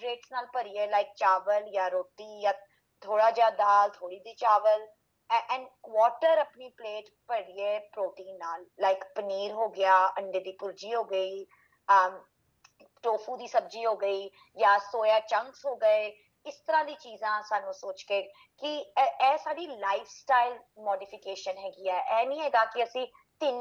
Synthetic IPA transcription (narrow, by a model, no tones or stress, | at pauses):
ɾeːʈsnaːlpəɽieːlaːɪk̚t͡ʃaːʋəljaːɾoːt̪iːjaː | t̪ʰoːɽaːd͡ʒaːd̪aːlt̪ʰoːɽiːd̪iːt͡ʃaːʋəl | ʔɛ̃ːɳɖkʋɔːʈəɾəpniːpleːʈ | pəɽɪeːpɾoːʈ̪ĩːnnːaːlːaːɪkpəniːɾɦoːɡɪjaːʔəɳɖeːd̪iːpʊɾd͡ʒiːɦoːɡəiː | əː | ʈoːpʰuːd̪iːsəb̚d͡ʒiːɦoːɡəiː | jãːsoːjaːt͡ʃəŋksɦoːɡəeː | ɪst̪əɾãːd̪iːt͡ʃiːzãːsaːnũːsoːt͡ʃkeː | kɪɛːsaːɖiːlaːɪfʰsʈaːɪlmɔːɖiːpʰɪkeːʃənɦɛːɡiːɛːʔɛːnĩːɦɛːɡaːkɪəsĩː | t̪ɪn